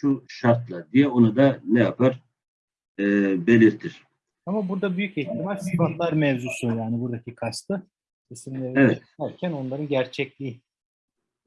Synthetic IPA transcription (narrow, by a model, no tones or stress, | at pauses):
ʃuʃaɾt̪lˠad̪ijɛonud̪anɛjapʰaɾ | be̞lʲiɾt̪ʰiɾ̥ | amabuɾd̪abyjyciçt̪ʰimalʲsikvat̪lˠaɾmɛvzusujaːnibuɾd̪acʰikʰast̪ʰɯ | sʰesimlʲevevɛt̪æɾcʰæno̞nlˠaɾɯnɟæɾt͡ʃʰɛclʲii